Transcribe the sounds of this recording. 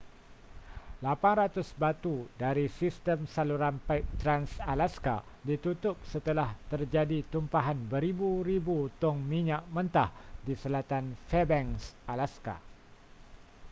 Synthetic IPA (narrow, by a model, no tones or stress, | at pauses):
lapanɾat̪ʊsbat̪udaɾisist̪əmsaluɾanpaɪk̚t̪ɾansalaska̰ | dit̪ut̪ʊp̚sət̪əlaht̪ərd͡ʒadit̪umpaɦanbəɾibuɾibut̪ʊŋmĩɲaʔmə̃nt̪ahdisəlat̪anfɛbɛŋsalaska̰